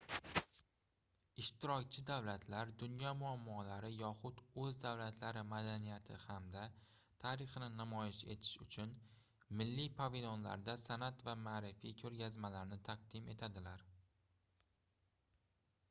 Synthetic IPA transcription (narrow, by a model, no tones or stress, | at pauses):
ɪʃt̪ɪɾɒkʲt͡ʃʰɪd̪awlat̪ʰlaɾd̪ʊnjɒmʊamːɒlaɾɪjɒχʊd̪ɵzd̪awlat̪ʰlaɾɪmad̪anijat̪ʰɪ̰hamd̪a | t̪ʰaɾɪχnɪnamɒjɪʃe̞t̪ʰɪ̥ʃʊt͡ʃʰʊn | mɪlːipʰɒvilˠonla̰ɾd̪asanat̪vamaːɾɪfikʲʰɵɾɡʲazmalaɾnɪt̪ʰaqd̪ɪme̞t̪ʰad̪ɪlaɾ